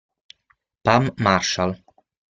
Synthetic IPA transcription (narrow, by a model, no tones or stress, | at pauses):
pamːaɾʃal